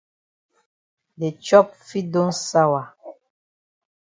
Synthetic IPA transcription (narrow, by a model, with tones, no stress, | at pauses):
dɛ˨t͡ʃɔ˦p̚fi˦do˦n̩sa˦wa˨